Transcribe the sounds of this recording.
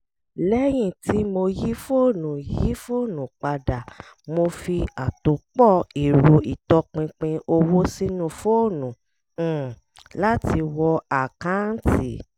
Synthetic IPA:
lɛ˦j̃ĩ˦˨ti˨˦mo˧ji˦fo˦˨nũ˨ji˦fo˦˨nũ˨k͡pa˧da˨ | mo˧fi˧a˨to˨k͡pɔ˦˨i˨ɾo˧i˨tɔ˧k͡pĩ˧k͡pĩ˧ʔo˧wo˦si˦nũ˦˨fo˦˨nũ˨˦˨ | la˦ti˧wɔ˧a˨kã˨˦n̩˦ti˨

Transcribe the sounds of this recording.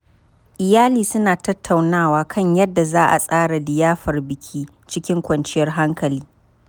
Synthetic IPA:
ʔɪ˨jaː˦liː˨sʊ˦naː˨tɐ˦tʰːa˨wnaː˦waː˦kʰɐ˦ɲjɐ˦dːa˨zaː˦ʔa̰˨sʼaː˦ɽa˨dɪ˨jaː˦ɸɐ˨rbɪ˨kʲʰiː˦ | t͡ʃɪ˦kʲɪ˦ŋkʷɐ˨nt͡ʃɪ˦jɐ˦rɦa˦ŋkɐ˨liː˦

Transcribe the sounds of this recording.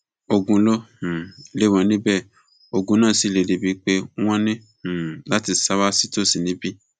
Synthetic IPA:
o˧ɡũ˧lɔ̃˦˨ | le˨˦˨w̃ɔ̃˧nĩ˦bɛ˦˨ | o˧ɡũ˧nãː˦˨si˨˦˨le˨˧˨de˨˧bi˨˧k͡pe˦w̃ɔ̃˦nĩ˦˨ | la˦ti˧sa˦wa˦si˦to˦˨si˨nĩ˨˦bi˦

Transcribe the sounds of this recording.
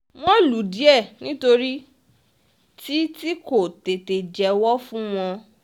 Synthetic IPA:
w̃ɔ̃˦lu˨˦di˨˦ɛ˦˨nĩ˦to˧ɾi˦ | ti˦ti˦ko˦˨te˨te˨d͡ʒɛ˨wɔ˦fũ˦w̃ɔ̃˧

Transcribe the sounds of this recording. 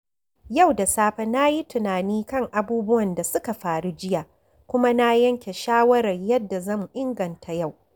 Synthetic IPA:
ja˦˨wda˨saː˦ɸa˦na˦ji˦tʊ˨naː˨niː˦kɐ˦ŋʔa˨buː˦bʊ˦wɐ˨nda˨sʊ˦ka˨ɸaː˨ɽu˦d͡ʒɪ˦jaː˨ | kʷʊ˦ma˦na˦jɐ˦ŋkʲe˨ʃaː˦wɐ˦ɾɐ˨rjɐ˦dːa˨zɐ˦˨mu˨ʔɪ˦ŋɡɐ˨ntʰa˨ja˦˨w

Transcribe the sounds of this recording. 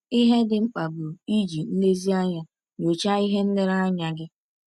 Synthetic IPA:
i˦ɦe˦dɪ˨ŋ͡m̩˦k͡pa˨bu˨i˦d͡ʒi˨n̩˦ne˦zi˦a˦ɲa˦ | ɲo˨t͡ʃa˦i˦ɦe˦n̩˦lɪ˦ɾa˦a˦ɲa˨ɡɪ˦

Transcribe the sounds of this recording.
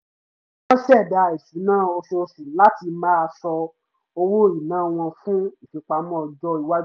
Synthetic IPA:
wɔ̃˦ʃɛ˦˨da˨˧˨e˨si˨˦nã˦o˧so˧si˨la˦ti˧mã˦a˧sɔ˧ | o˧wo˦i˨nãː˦w̃ɔ̃˧fũ˦i˨fi˨k͡pa˨˧mɔ̃˦˨d͡ʒɔ˧i˨wa˦

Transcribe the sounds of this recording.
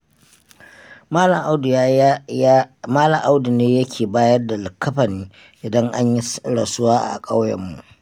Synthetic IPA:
a˦˨ʔd | maː˦lɐ˨ŋʔa˦wdu˨neː˦jɐ˦kʲʰeː˨baː˦jɐ˦rda˨lɪ˨kːɐ˦ɸɐ˨niː˦ | ʔɪ˨dɐ˦ŋʔa̰˦ɲji˦ɽa˨sʊ˦waː˦ʔa̰˨kʼa˦wjɐ̰˦˨mːṵ˨ʔ

